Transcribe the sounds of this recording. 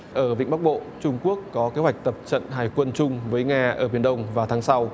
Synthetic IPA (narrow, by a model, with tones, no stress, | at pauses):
ʔəː˧˩ɓḭ˧˨ŋ̟ɓk̚ɓo̰˧˨t͡ɕʊ˧ŋ͡mku˦˥əkːɔ˨˦ke˨˦hwa˨˩jk̚t̪ə˨˩p̚t͡ɕə̰˧˨nɦaː˨˩jkwə˧nt͡ɕʊ˧ŋ͡mvəː˨˦jŋaː˧ʔəː˧˩ɓi˧˩ənɗə˧wŋ͡mvaː˨˩wt̪ʰaː˨˦ŋsa˧w